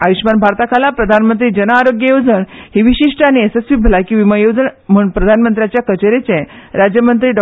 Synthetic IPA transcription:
aʋiɕmanbʱaɾt̪akʰalapɾəd̪ʱanmənt̪ɾiːd͡ʑənaːɾoɡjəjod͡zəɳhiʋiɕiʂʈəañiesesʋibʱəlakĩʋiməjod͡zəɳm̤əɳpɾəd̪ʱanmənt̪ɾjat͡ɕjakət͡ɕeɾet͡sẽɾad͡ʑjəmənt̪ɾiːɖɔ

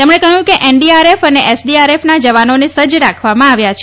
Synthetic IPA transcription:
t̪emɳekəɦjũkeʔeɳɖiaɾefəneʔɛsɖiaɾefnad͡ʒəʋanonesəd͡ʒɾakʰʋamãaʋjat͡ʃʰe

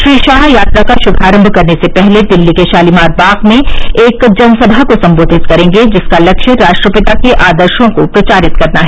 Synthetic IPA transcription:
ʃɾiːʃaːɦjaːt̪ɾakaʃʊbʱaːɾə̃mbʱkɐɾnesepɛɦled̪ɪlːikeʃaːlimaːɾ̚baːqmẽeːkd͡ʒɐnsɐbʱakosɐ̃mboːd̪ʱɪt̪kɐɾẽːŋɡed͡ʒɪskalɐkʃəɾaːʃʈɾəpɪt̪akeʔaːd̪əɾʃõkopɾɐt͡ʃaːɾɪt̪kɐɾnaɦɛː

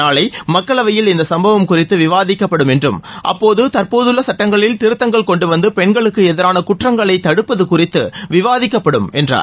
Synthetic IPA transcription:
aːɭɐɪmɐkːɐɭɐʋɐjɪlɪnd̪ɐsɐmbɐʋɐmkʊrɪt̪ːɯʋɪʋaːðɪkːɐpːɐɽɯmɛndrɯmʔɐ̰pːoːðɯt̪ɐɾpoːðɯɭlːɐsɐʈːɐŋɡɐɭɪlt̪ɪɾɯt̪ːɐŋɡɐɭkɔɳɖɯʋɐnd̪ɯpɛɳɡɐɭɯkːɯɛðɐɾaːnɐkʊʈrɐŋɡɐɭɐɪt̪ːɐɽɯpːɐðɯkʊrɪt̪ːɯʋɪʋaːðɪkːɐpːɐɽɯmɛndra̰ː

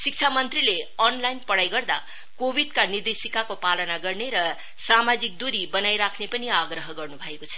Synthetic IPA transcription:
sik̚t͡sʰamʌnt̪rileʌnlajnpʌɽajɡʌrd̪a̰ | kobid̪kanird̪esikakopalʌnaɡʌrneɾʌ | samad͡zik̚d̪uɾibʌnajɾakʰnepʌniaɡɾʌɦʌɡʌrnubʱʌekot͡sʰʌ̥

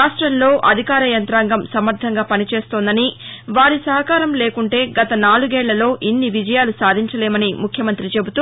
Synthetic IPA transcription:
aːʂʈɾɐmlo̞ːʔɐ̰d̪ʱikaːɾɐjɐnt̪ɾaːŋɡɐmsɐmɐɾt̪ʰɐŋɡaːpɐnit͡ʃe̞ːst̪oːnd̪ɐniʋaːɾisɐɦɐkaːɾɐmle̞ːkuɳʈe̞ːɡɐt̪ɐnaːluɡɛːɭːɐlo̞ːʔinːiʋid͡ʒɐjaːlusaːd̪ʱiɲt͡ʃɐleːmɐnimukʰjɐmɐnt̪ɾit͡ʃe̞but̪u

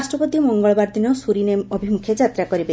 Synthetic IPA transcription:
sʈɾɔpɔt̪imɔŋɡɔɭɔbaɾd̪inɔsuɾinemɔbʱimukʰjed͡ʒat̪ɾakɔɾibe

